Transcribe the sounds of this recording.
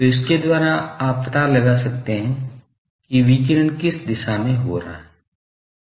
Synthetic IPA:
t̪oɪs̬ked̪waːɾaaːppɐt̪alɐɡasɐkt̪eɦɛ̃ | kiʋiːkɪɾənkɪsd̪ɪʃamẽɦoɾa̰ːɦɛ

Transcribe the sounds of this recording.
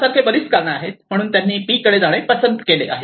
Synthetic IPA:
saɾkʰebəɾiskaɾɳaaɦet̪m̤əɽ̃uːnt̪janːiːpiːkːəɽed͡zaɭ̃epəsənd̪kelḛʔa̰ɦe

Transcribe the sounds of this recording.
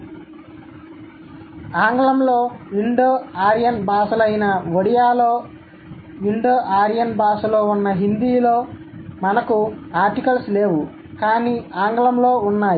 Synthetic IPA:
aːŋɡlɐmloːʋiɳɖoːaːɾijɐnbaːsɐlɐjnɐʋoɽijaːloː | ʋiɳɖoːʔaːɾijɐnbaːsulo̞ːunːɐɦind̪iːloː | mɐnɐkuaːɾʈikɐlsleːʋu | kaːniːaːŋɡlɐmlo̞ːunːaːji

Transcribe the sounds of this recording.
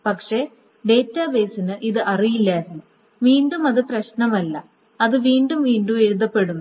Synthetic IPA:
pɐkʂe̞ | ɖe̞ːtːaːbe̞ːsinɨʔiðɨʔɐrijilːaːiɾnːu | ʋiːɳɖumɐðɨprɐɕnɐmɐlːɐ | ɐðɨʋiːɳɖumʋiːɳɖume̞ɾuðɐpːe̞ɽunːu

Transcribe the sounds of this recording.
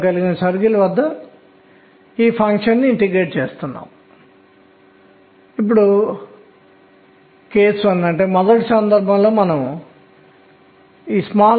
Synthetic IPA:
kɐliɡinɐsɐɾɡilɐʋɐd̪ːɐ | iːpʰɐŋkʂɐnːiʈike̞ːʈ̚t͡ʃe̞ːst̪unːa̰ːm | ip̬ːuɽu | ke̞ːsɐnːɐɳʈe̞ːmɔd̪ɐʈisɐnd̪ɐɾbʱɐmlo̞ːmɐnɐm | iːsmaː

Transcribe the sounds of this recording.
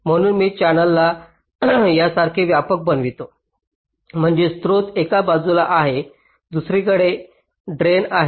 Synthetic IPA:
m̤əɽ̃uːnmiːt͡ɕanəlːa | jasaɾkʰeʋjapək̚bənʋit̪o | m̤əɳd͡ʑest̪ɾot̪ekabad͡zulaʔaɦe | d̪usɾikəɽe | ɖɾenaɦe

